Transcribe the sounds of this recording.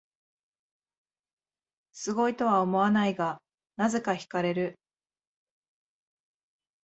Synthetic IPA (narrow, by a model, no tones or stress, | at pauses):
sɨɡo̞it̪o̞βao̞mo̞anaiɡa | naze̞kaçi̥kaɾe̞ɾɯ̟